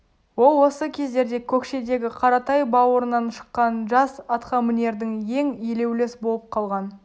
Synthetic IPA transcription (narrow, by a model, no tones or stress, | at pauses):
wo̞lˠwo̞səkʲʰe̞zd̪e̞ɾd̪e̞kʲʰɵkʃe̞d̪e̞ɡʲɪqʰɑɾɑt̪ɑjbɑwoɾənɑnʃə̥qːɑnʒɑsɑt̪χɑmɪne̞ɾd̪ɪŋje̞ŋjele̞wlesbo̞lˠəp̚qʰɑlˠʁɑn